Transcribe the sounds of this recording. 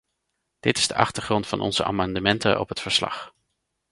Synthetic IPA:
d̥ɪtɪz̥dəʔɑ̰χtəɹχrɔntfɑnʔɔ̰nz̥əʔa̰ːmɑndəmɛntə̰ʔɔ̰pɦətfəɹslɑ̰χ

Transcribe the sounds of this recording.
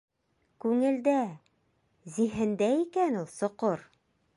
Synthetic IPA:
kʉŋɘ̆ld̪æ | ziɦɘ̆nd̪æikænulˠsŏqoɾ

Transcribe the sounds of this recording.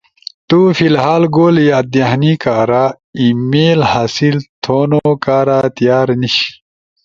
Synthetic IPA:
t̪uːfilɦaːlɡoːljaːd̪ahnikaːɾaː | imeːlhaːsilt̪ʰoːnokaːɾaːt̪jaːɾniɕ

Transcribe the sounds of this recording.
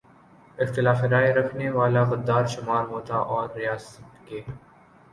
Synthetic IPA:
ɪxt̪ɪlaːfɪɾaːeɾɐkʰneʋaːlaɣɐd̪ːaːɾʃʊmaːɾɦoːt̪a̰ʔɔːɾːijaːsət̪keː

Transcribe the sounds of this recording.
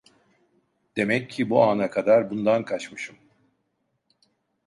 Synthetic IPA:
d̪̥e̞mɛcʰːibuaːnakʰad̪aɾbund̪ankʰat͡ʃmɯʃɯm

